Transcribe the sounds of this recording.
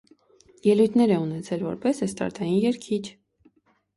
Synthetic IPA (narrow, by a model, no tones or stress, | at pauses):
jɛlujt̪ʰnɛɾɛunɛt͡sʰɛlvɔɾpɛsɛst̪ɑ̰ɾt̪ʰɑjinjɛɾkʰit͡ʃʰ